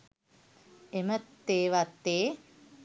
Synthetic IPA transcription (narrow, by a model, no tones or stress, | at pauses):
emət̪ːeːʋat̪ːeː